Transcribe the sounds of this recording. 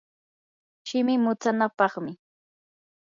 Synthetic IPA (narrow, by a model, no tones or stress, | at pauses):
ʃɪmɪmʊt͡sanapɑχmɪ